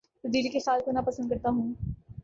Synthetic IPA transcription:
t̪ɐd̪iːlikexaːlkonapɐsə̃nd̪kɐɾt̪aɦũː

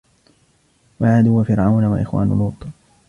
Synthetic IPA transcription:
walʕad̪ʊːwafɪɾʕawnawa̰ʔɪxwa̰ːnʊ̰luːt̪ˤ

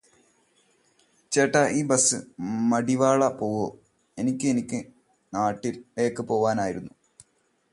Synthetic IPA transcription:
t͡ɕeːʈːaʔiːbɐsɨmɐɽiʋaːɭɐpo̞ːʋoː | e̞nikʲːɨenikʲːɨ | naːʈːilːe̞ːkːɨpo̞ːʋaːnaːjiɾunːu

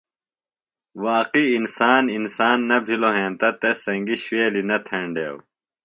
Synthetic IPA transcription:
waːqiːnsaːninsaːnːɐbʱiloɦẽːnt̪ɐt̪esɐŋɡiɕweːlinɐt̪ʰẽɳɖḛːw

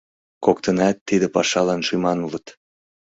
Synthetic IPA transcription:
kok̚t̪ənɑt̪ːid̪ə̆pɑʃɑlɑnʃymɑnulət̪

